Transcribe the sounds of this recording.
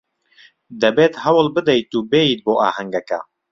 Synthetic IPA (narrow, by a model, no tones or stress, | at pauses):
d̪ɐbeːt̪hɐwɨlbɨd̪ɛjt̪uːbeːiːt̪̚boːʔa̰ːhɐŋɡɐkɐ̰